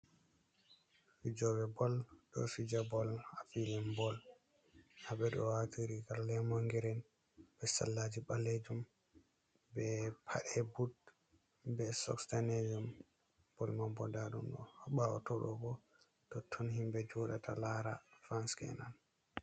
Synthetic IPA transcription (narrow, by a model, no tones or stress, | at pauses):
fid͡ʒɔbɛbɔlɗɔ̰fid͡ʒabɔlafilɛnbɔl | habɛɗɔ̰watʰiɾiɡallːɛmoŋɡiɾɛn | bɛsa̰lːad͡ʒiɓalːed͡ʒum | bɛpʰa̰ɗɛbud | bɛsɔ̰kstaned͡ʒum | b̥ɔlmambɔdaɗumɗɔhɓawɔ̰tɔɗɔbɔ | tɔtʰːɔnhimbɛd͡ʒɔɗatʰa̰laɾafɾanskɛ̰nan